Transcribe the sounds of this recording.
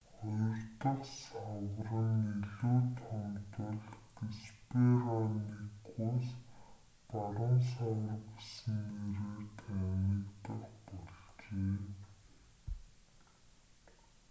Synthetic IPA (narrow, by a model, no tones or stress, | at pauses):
χʊjɪ̆rt̪ə̆χsawrə̆niɮuːt̪ʰɔmt̪ə̆ɮɡesperanikuːs | paɾʊns̬awə̆rɡesɘ̆neɾeːt̪ʰænit̪ə̆χpɔɮt͡ɕeː